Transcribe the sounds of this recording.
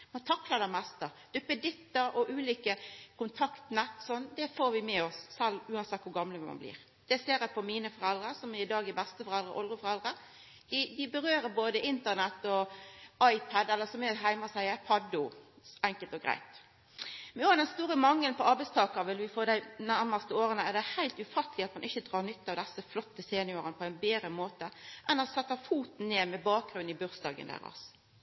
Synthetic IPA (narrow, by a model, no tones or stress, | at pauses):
mɑnt̪ʰɑklɑd̪æmɛst̪əd̪̥ʉpːəd̪ɪt̪ːəɾɔʔʉːliːkəkʊnt̪ʰɑkt̪nɛt̪ːsɔnd̪ɛfoːɾʋɪmɛɔssɛlːʉːɑnsɛt̪̚ːkʊɾɡɑmləmɑ̰nblḭːɾ | d̪̥ɛseːɾæpʰɔmiːnəfɔɾɛld̪ɾəɾsɔmæɪd̪ɑːɡɪbæst̪əfɔɾɛld̪ɾə̰ʔɔlʁəfɔɾɛld̪ɾə | d̪̥ɪd̪ɪbəɾøːɾəboːd̪əʔɪnt̪ənɛt̪ːɔɑɪpʰæd̪ɛlːəsɔmɛɦæɪmɑsæɪæpʰɑd̪ʊ | ɛŋkəlt̪ɔɡɾæ̰ɪt̪ | mɛnuɑnɛnst̪uːɾəmɑŋːəlnpʰɔɑɾbæɪst̪ʰɑːkəʁʋɪlʋɪfoːd̪æɪnæɾməst̪əoːɾənəæd̪ɛæhæɪlt̪ʉfɑt̪lɪɑt̪mɑnʔɪçːəd̪ɾɑːnʏt̪ːɑʋd̪ɛsːəflɔt̪ːəseːnɪoːʁənəpʰɔæɪnbeːd̪ɾəmoːt̪əʔɛnɑsɛt̪ːəfuːt̪n̩neːmɛbɑːk̚ɡɾʉn̩ɪbʉɾsd̪ɑ̰ːɡə̰nd̪æ̰ːɾɑ̰s